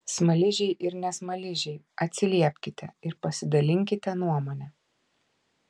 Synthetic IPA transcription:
smɐlʲɪʒʲɛɪʔɪɾnʲɛsmɐlʲɪʒʲɛɪ | ɐt̪ʲsʲɪlʲiɛpʲkʲɪt̪ʲɛɪɾpɐsʲɪd̪ɐlʲɪŋʲkʲɪt̪ʲɛnuɔmoːnʲɛ

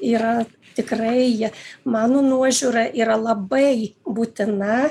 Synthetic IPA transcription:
iːɾɐ | t̪ʲɪkrɐɪmɑːnoːnuɔʒʲuːɾɐʔiːɾɐlˠɐbɐɪbuːt̪ʲɪnɐ

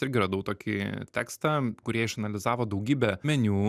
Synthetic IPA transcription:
ɪɾʲɡʲɪɾɐd̪ɐʊt̪oːkʲɪ̰t̪ʲæːkst̪ɐkʊɾʲiɛɪʃɐnɐlʲɪzɑːʋoːd̪ɐʊɡʲiːbʲɛmʲɛnʲuː

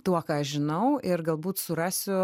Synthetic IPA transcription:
t̪uɔkɑːɐʃʒʲɪnɐʊɪrɡɐlˠbuːt̪sʊɾɑːsʲʊ

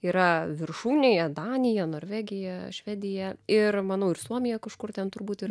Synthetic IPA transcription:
iːɾɐʋʲɪrʃuːnʲejɛd̪ɑːnʲɪjɛnoːɾʲʋʲæːɡʲɪjɛʃʲʋʲæːd̪ʲɪjɛɪrmɐnɐʊɪrsuɔmʲɪjɛkɐʃkʊrt̪ʲɛnt̪ʊɾbuːt̪ɪr

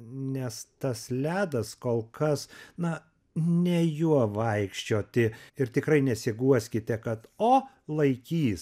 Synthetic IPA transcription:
nʲɛst̪ɐslʲæːd̪ɐskoːlˠkɐsnɐ | nʲɛjuɔʋɐɪkʃʲt͡ʃʲoːt̪ʲɪɪrt̪ʲɪkɾɐɪnʲɛsʲɪɡuɔsʲkʲɪt̪ʲɛkɐt̪oː | lˠɐɪkʲiːs

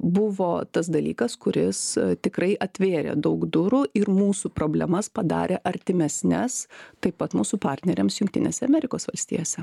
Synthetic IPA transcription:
bʊʋoːt̪ɐs̬d̪ɐlʲiːkɐskʊɾʲɪst̪ʲɪkɾɐɪʔɐt̪ʲʋʲeːɾʲḛːd̪ɐʊɡd̪ʊɾuʔɪɾmuːsupɾoːbʲlʲɛmɐspɐd̪ɑ̰ːɾʲeːʔɐɾʲt̪ʲɪmʲɛsʲnʲɛst̪ɐɪppːɐt̪muːsupɑːɾʲt̪ʲnʲɛɾʲḛːmsjʊŋkt̪ʲɪ̰nʲḛːsʲɛɐmʲɛɾʲɪkoːsʋɐlʲsʲt̪ʲḭːjoːsʲɛ

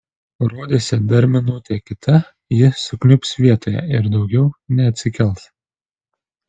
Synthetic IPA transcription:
ɾuɔd̪ʲesʲɪd̪ɐɾʲmʲɪnuːt̪ʲekʲɪt̪ʰɐ | jɪsʊklʲʊpsʋʲiɛt̪oːjɛ̰ɪɾd̪ɒʊɡʲɛʊnʲɛɐt̪ʲsʲɪkʲɛlˠs

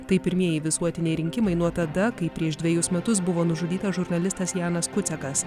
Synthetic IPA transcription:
t̪ɐɪpʲɪɾʲmʲiɛjɪʋʲɪsuɔt̪ʲɪnʲɛɪɾʲɪŋʲkʲɪmɐɪnuɔt̪ɐd̪ɐkɐɪpʲɾʲiɛʃd̪ʲʋʲɛjʊsmʲɛt̪ʊs̬bʊʋoːnʊʒʊd̪ʲiːt̪ɐʒʊɾnɐlʲɪst̪ɐsjɑːnɐskʊt̪sʲɛkɐs

